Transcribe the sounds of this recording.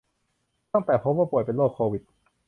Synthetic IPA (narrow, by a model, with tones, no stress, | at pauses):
t̪a˥˩ŋt̪ɛː˨˩pʰo˦˥p̚waː˥˩pu˨˩əjpe˧nloː˥˩kʰːoː˧wi˨˩t̪̚